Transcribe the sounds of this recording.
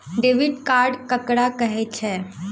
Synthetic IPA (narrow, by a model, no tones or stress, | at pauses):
ɖeːʋɪɖkaːɾɖkɐkɽakəɦet͡ʃʰɛː